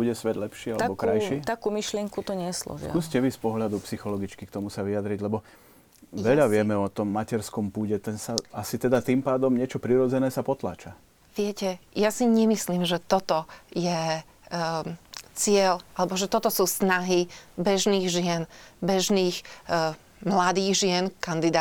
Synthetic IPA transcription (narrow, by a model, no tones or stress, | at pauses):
b̥uɟɛsʋɛd̪lɛpʃialɛɛbɔkɾajʃit̪akuːmiʃlɪɛŋkut̪ɔɲɛslɔ̰ʒ̰a̰uscɛʋispɔɦʎad̪upsixɔlɔɡit͡ʃkikt̪ɔmusaʋiad̪ɾiɟlɛbɔ | ʋɛʎaʋɪɛmɛɔt̪ɔmːacɛɾskɔmpuːɟɛt̪ɛnsaasit̪ɛd̪at̪impaːd̪ɔmɲɪɛt͡ʃɔpɾiɾɔd͡zɛnɛːsapɔt̪la̰ːt͡ʃa | ʋɪɛcɛjasiɲɛmisliːmʒɛt̪ɔt̪ɔjɛ | t͡sɪɛlʔalɛbɔʒɛt̪ɔt̪ɔsuːsnaɦibɛʒniːɣʒɪɛnbɛʒniːx | mlad̪iːɣʒɪɛnkand̪id̪aː